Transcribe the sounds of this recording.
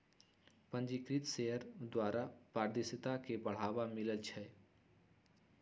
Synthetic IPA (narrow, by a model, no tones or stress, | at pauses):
pə̃nd͡ʒikɾit̪seəɾd̪waːɾʔapaːɾd̪ɪsət̪akebəɽ̤aːʋamɪləlt͡ʃʰɛ